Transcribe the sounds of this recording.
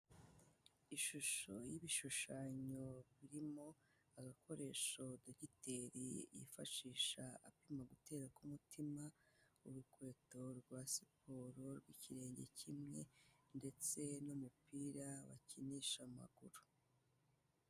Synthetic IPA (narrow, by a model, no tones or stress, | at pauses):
iʃuʃojiβiʃuʃaɲoβiɾimo̞ | aɡakʰo̞ɾe̞ːʃo̞doɟitʰe̞ɾḭjḭfaʃiːʃaa̰pimaɡute̞ːɾakumutʰimauɾukwe̞ːto̞ɾɡwaːsi̥pʰo̞ːɾo̞ɾɡwiːciɾe̞ːɲɟe̞̰cʰimŋe̞nde̞t͡se̞numupiːɾawa̰ciniʃama̰ɡ̥uɾu